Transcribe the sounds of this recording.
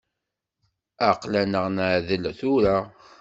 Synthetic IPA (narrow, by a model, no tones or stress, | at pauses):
aqlænəʁnaʕðəlθʊɾa